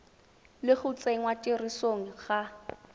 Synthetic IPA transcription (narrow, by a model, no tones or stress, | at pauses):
lɪχʊt͡sʼeŋwatʼɪrisoŋ̩χa